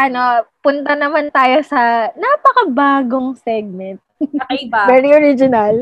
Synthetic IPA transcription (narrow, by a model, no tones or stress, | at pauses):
ʔɐnopʊnt̪ɐnɐmant̪aːjosɐnaːpɐkɐbaːɡoŋsɛɡ̚mɛnt̪̚ɐkɐbabɛɾioɾɪd͡ʒɪnɐl